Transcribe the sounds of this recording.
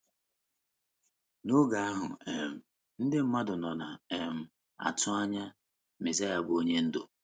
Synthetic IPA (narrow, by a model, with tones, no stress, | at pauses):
nʊ˦ɡa˨a˦ɦʊ˨e˨m̩˨ | n̩˦dɪ˦m̩˦ma˦dʊ˨nɔ˨na˨e˨m̩˦ | a̰˨tʊ˦a˦ɲa˦ | me˨za˦ja˨bo˦ɲe˦n̩˦do̰˨